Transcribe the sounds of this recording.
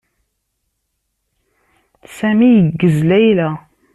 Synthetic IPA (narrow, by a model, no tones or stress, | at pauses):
sæmijəɡːəzlæjlæ